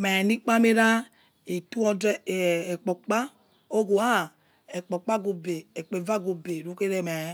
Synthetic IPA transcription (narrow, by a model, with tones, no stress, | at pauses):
mɛ˨ni˦k͡pa˦me˦ɾa˦ | e˨tu˦ɔ˨de˦˨ɛ˨k͡pɔ˨k͡pa˦ | o˦ɡo˨a˦˨ | e˨k͡pɔ˨k͡pa˦ɡo˨be˨e˨k͡pe˨va˦ɡu˨be˨ɾu˦ke˦ɾe˦mɛ˨˦